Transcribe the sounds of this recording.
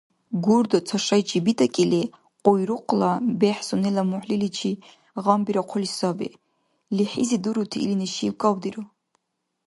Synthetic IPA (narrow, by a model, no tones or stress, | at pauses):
ɡurd̪ɔt͡sʰaʃajt͡ʃʰʼibid̪ʼakʼili | qʼɔjɾuqʷʰʼlabɛħsunɛlamuħlilit͡ʃʰi | ʁambiɾaqʷʰɔlisabḭ | liħḭzid̪uɾut̪ʰiːlinɛʃikʼawd̪iɾo